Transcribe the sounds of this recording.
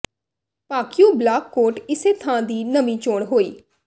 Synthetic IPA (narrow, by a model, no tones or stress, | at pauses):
paːkɪjũːblaːkːoːʈɪseːt̪ʰãːd̪iːnəmĩːt͡ʃoːɳɦoːḭː